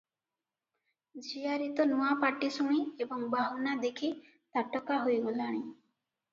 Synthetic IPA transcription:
d͡ʒiaɾit̪ɔnuapaʈisuɽ̃iebɔŋbaɦunad̪ekʰi | t̪aʈɔkaɦojɡolaɽ̃i

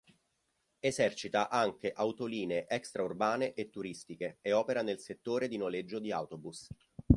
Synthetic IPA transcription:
ezɛrt͡ʃit̪aʔaŋk̟eʔawt̪oliːneeʔɛkst̪ɾaurbaːneʔet̪ːuɾist̪ikeeɔːpeɾanelset̪ːoːɾed̪inoled͡ʒːod̪ia̰wt̪obus

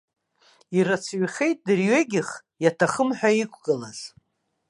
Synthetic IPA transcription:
irat͡sʰɥχe̞jt̚ʼdɨrɥeɡʲɪχ | jatʰaχəmħʷᶣaikʷʰɡɨlaz̥

